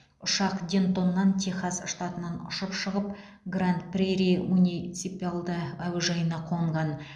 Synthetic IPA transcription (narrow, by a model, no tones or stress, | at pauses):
ʊʃɑqd̪ʲe̞nt̪o̞nːɑnt̪ʲʰeχazʃt̪ɑt̪ənɑnʊ̰ʃəpʃəʁəp̚ | ɡrant̪prʲeɾemunʲit̪sipʲalˠd̪əæwʒɑjənɑqʰo̞ɴʁɑn